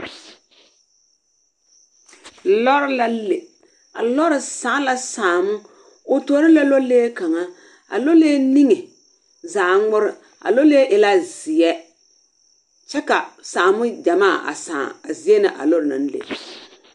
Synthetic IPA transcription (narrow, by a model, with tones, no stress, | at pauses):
lɔ˦ɾɪ˨˦la˦le˨ | a̰˨lɔ˦ɾɪ˨saː˨˦la˦saː˨mʊ˦ | ʊ˨to˨˦ɾɪ˦lɛ˦lo˦leː˦ka˨ŋa˦ | a̰˨lo˦le˦ni˦ŋe˨ | zaː˨ŋŋ͡mʊ˦ɾɪ˨ | a̰˨lo˦le˦ʔɪ˨la˦zɪ˨ɛ˦ | t͡ʃɛ˦ka˨saː˨mʊ˦d͡ʒa˨maː˦˨a̰˨sã̰ː˨a˨zɪ˨˦ɛ˦nɪ˨ʔa̰˨lɔ˦ɾɪ˨na̰˨n˦lḛ˨